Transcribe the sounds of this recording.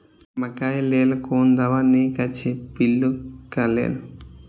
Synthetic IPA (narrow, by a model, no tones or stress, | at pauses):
mɐkajlelkoːnd̪aʋanikat͡ʃʰepilːukalḛl